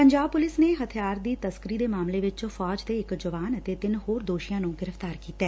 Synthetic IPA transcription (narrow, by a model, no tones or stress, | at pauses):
pəɲd͡ʒaːbpʊlɪsneːɦət̪ʰijaːɾd̪iːt̪əskɾiːd̪eːmaːmleːʋɪt͡ʃfɔːd͡ʒd̪eːɪkd͡ʒəʋaːnət̪eːt̪ɪnɦoːɾd̪oːʃijãːnũːɡɪɾəft̪aːɾkiːt̪ɛː